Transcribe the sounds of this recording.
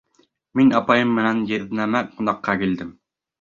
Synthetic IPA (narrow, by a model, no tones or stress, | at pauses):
minɑpɑjɤmːɘ̆nænjɘ̆ðnæmæqunɑqːɑkild̪ɘm